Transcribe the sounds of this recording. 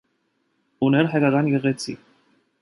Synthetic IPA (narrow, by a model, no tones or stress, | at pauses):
unɛɾɦɑjɡɑɡɑnjɛʁɛt͡sʰḭ